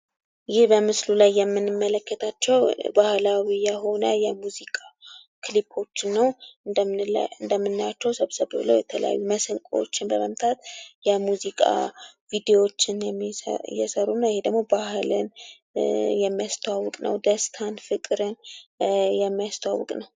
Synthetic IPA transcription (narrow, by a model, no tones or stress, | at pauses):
jɪhbəmɨslulajːɛmːɨnːɨmːələkːət̪ʰat͡ʃːɛwbahlawijɛho̞nəjɛmuzikʼa | kʰlipʰo̞t͡ʃːɪnːəw | ɨnd̪əmːɨnːat͡ʃːɛwsəβsəβɨblə̰wjɛt̪ʰələ̰ja̰jːuməsəlkʼo̰t͡ʃːɪnbəməmt̪ʰat̪jɛmuzikʼa̰vid̪ewo̞t͡ʃːɪnjɛmːjɛsəɾunːajɪhed̪əɡmo̞bahɨlɨ̰n | jɛmːijast̪ʰoawːɨkʼnə̰wd̪əst̪ʰanfɨkʼɨɾɨn | jɛmːijast̪ʰoa̰wɨ̰kʼnəw